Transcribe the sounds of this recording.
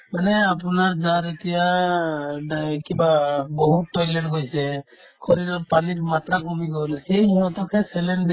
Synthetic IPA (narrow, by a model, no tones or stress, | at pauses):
manɛapɔnaɹzaɾet̪ija | ɖajkibabɔɦutːɔjlɛʈɡojsɛ | kʰɔɾiɾɔɾpanitmat̪ɾakɔmiɡolhejniɦɔt̪ɔkʰɛsɛlɛɳb